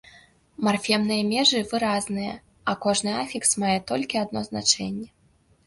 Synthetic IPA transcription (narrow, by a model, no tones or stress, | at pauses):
marfʲɛmnɨjɐmʲɛʐɨvɨɾaznɨjɐ | ɐkɔʐnɨafʲiksmajɛt̪ɔlʲkʲiad̪̚nɔznat͡ʂɛnʲːɛ